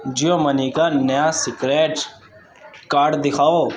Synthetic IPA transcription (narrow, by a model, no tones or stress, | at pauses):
d͡ʒijomɐniːkanɐjãːsɪkɾeːʈ | kaːɖd̪ɪkʰaːoː